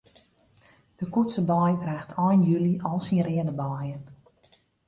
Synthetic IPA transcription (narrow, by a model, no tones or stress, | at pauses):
d̥əkutsəblɔjdraːxtʰɔjnjyliʔɔlˠsinrɪədəblɔjən